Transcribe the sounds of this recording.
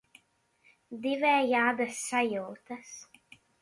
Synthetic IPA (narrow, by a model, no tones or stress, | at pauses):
d̪ivɛːjaːd̪asːajuwt̪as